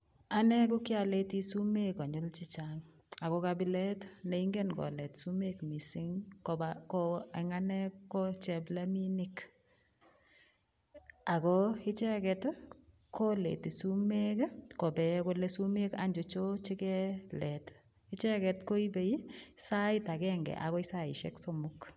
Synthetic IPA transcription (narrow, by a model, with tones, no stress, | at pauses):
a˦nɛ˦k̬ʊ˦kɪ˦a˨le˦ti˦su˦me˦ka˨ɲʊ˦lt͡ʃi˦t͡ʃaŋ | a˨kɔ˦ka˨bi˨˦lɛ˦tne˨i˦ŋɡe˦nkɔ̰˨lɛ˨tsu˦me˦kmi˨sɪ˦ŋkɔbakɔɛ˨ŋa˦nɛ˦kɔt͡ʃɛ˨bla˦mi˦ni˦k | a˨kɔ˦ɪ˦t͡ʃɛ˦kɛt | ko˦lḛti˨su˦me˦kkɔ˨bɛ˨ko˦lesu˦me˦kaɲd͡ʒo˨t͡ʃo˦t͡ʃi˦kɛ˦lɛt | ɪt͡ʃɛ˦kɛ˨tko˦i˦be˨i˦sa˦ɪta˨kɛŋɡɛ̰˨ʔa̰kɔ˦i˦sa˦ɪ˨ʃɛksɔ˦mʊk